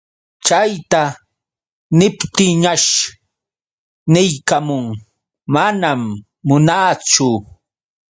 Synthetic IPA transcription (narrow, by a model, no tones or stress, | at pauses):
t͡ʃajt̪a | nɪpt̪ɪŋɲaʃ | nɪjkamʊŋ | manamː | ʊnaːt͡sʊ